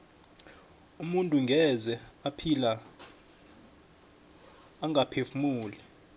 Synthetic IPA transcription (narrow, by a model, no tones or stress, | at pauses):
umuntʼuŋɡʱɛzɛapʰila | ŋʱapʰefumuːlɛ